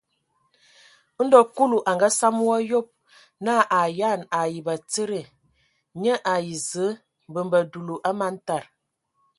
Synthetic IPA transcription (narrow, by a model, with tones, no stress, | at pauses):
n̩˦dɔ˨ku˦lu˨ʔa˨ŋɡa˦sa˦m˦wɔ˦jo˦p̚ | na˦˨ʔa˨ja˦˨na˨ji˨ba˨t͡sə˦ɾə˨ | ɲə˦ʔa˨ji˨zə˨˦ | m˨bə˨mbə˨du˨lu˨ʔa˦ma˦n̩˦ta˨ɾ